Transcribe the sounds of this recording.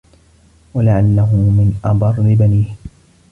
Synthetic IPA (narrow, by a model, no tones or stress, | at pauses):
walaʕalːaɦʊmɪnʔɑbɑrˤːɪbaniːh